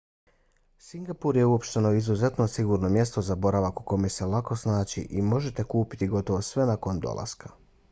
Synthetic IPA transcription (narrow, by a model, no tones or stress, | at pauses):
siŋɡapuɾje̞uo̞pʃt̪e̞noizuze̞t̪no̞siɡuɾno̞mje̞st̪o̞zabo̞ɾaʋaku̥ko̞mese̞lˠako̞snaːt͡ɕḭʔimo̞ʒe̞t̪e̞kuːpi̥t̪iɡo̞t̪o̞ʋo̞sʋe̞nako̞nd̪o̰lˠa̰skḁ